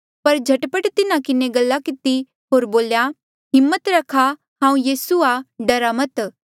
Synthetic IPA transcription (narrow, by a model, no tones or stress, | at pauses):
pɐɾd͡ʒʱɐʈpəʈt̪ɪnãkɪneɡɐlːakɪt̪i | ɦoːɾboːlja | ɦɪmːət̪ɾɐkʰa | ɦãːũjiːsuaɖɐɾamət̪